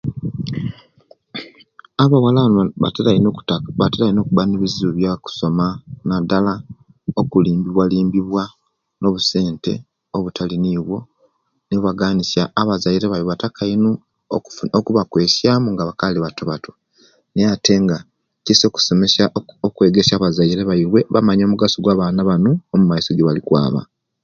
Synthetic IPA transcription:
aβawala | ateɾaino̞ːkuβaneβiziuβjaku̥so̞manadala | okuliːmbiβwaliːmbiβwa | no̞βuse̞ːnte̞̰ | oβutʰaliniːβwo̞ | niβwaɡaːnisjaːβazaiɾeβajiwatakʰainu | o̰okuβakwe̞ːsjaːmuŋɡaβakaliβatoβato | nejate̞ŋɡa | ciso̞ːku̥so̞mesaokwe̞ːɡe̞saːβazaiɾe̞βaiɾwe̞βa̰maɲo̞ːmuɡasoɡwaːβaːnaβanuomumaiso̞ɟeβalikwa̰ːβa̰

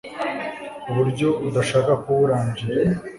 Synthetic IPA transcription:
uβuɾɟo̞ud̪aʃaːkakuβuɾaːɲɟiɾe

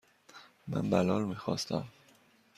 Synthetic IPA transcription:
mæ̰nbælɒːlmiːxɒːst̪æm

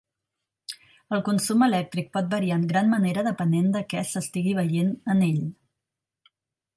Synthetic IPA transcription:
əlˠkunsuməlɛk̚t̪ɾik̚pɔt̪̚bəɾiaəŋɡɾanməneɾəðəpənend̪əkɛsəst̪iɣiβ̞əjenəneʎ

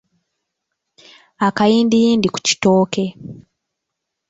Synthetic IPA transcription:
akajindijindiku̥ci̥toːke̞

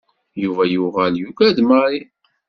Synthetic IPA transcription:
juvæjuʁæljukæd̪məɾˤi

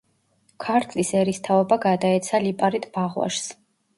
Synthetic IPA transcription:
kʰaɾt̪ʰlisɛɾist̪ʰaɔbaɡad̪aɛt̪sʰalipʼaɾit̪ʰʼb̥aʁwa̰ʃs

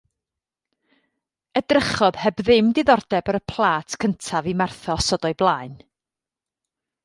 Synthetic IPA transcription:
ədrəχɔðhɛbðɪmdɪðɔrdɛbəɾəpʰlˠaːtʰkʰəntʰavimarθɔsɔdɔɨblˠaːɨn

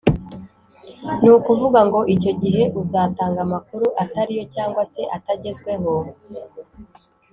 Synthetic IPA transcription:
nuːkuvuβaŋɡo̞ʔico̞ɟiɦe̞ʔuzaːtaːŋɡamakuɾuʔataɾijo̞caːŋɡwase̞ʔataɟe̞zɡwe̞ɦo̞

